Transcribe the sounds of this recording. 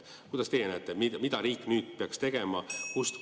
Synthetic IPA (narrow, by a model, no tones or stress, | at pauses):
kujd̪̥ɑst̪ejenæt̪ːˑemimid̪̥ɑɾiːkːˑnyːd̪̥̚peɑkst̪e̞ɡ̥e̞mɑkust̪